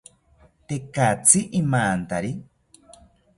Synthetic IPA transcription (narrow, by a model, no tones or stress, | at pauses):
t̪ekat͡siʔimaːnt̪aɾi